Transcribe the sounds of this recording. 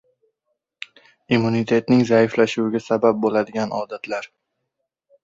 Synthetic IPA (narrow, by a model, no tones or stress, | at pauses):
imːunit̪ʰe̞t̪nɪŋzaɪflaʃuwɪɡʲasabap̚bolad̪ɪɡʲanɒd̪at̪ʰlaɾ